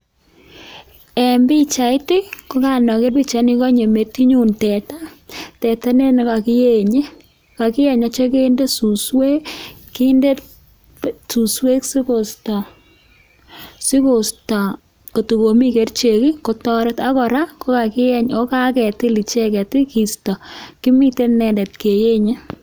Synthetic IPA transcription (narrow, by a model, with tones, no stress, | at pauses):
ɛ˨mbi˦t͡ʃa˨˦tɪ˦ko˦ka˨nɔ˨ke˦rpi˦t͡ʃa˨˦ni˦kɔ˦ɲe˨me˨ti˦ɲu˦ntɛ˨ta˦tɛ˨ta˦ne˦n˨ka˨ki˦je˨ɲe˦ | ka˨kɪ˦jɛ˨ɲa˨˦t͡ʃe˦ke˦nde˦su˨swe˦ki˦nde˦t | su˨swe˦ksi˦ko˨stɔ˨ | si˦ko˨sta˨ | ko˨tu˨ko˨mi˦ke˨rt͡ʃe˨ki˦ko˨tɔ˦ɾe˦ta˦kɔ˨ɾa˦ko˦ka˨kɪ˦jɛ˦ɲo˦ka˦kɛ˨tɪ˦li˨t͡ʃe˦kɛ˨ti˦ki˨stɔ˨ki˦mi˦te˦nɛ˨ndɛ˨tke˨je˦ɲe˦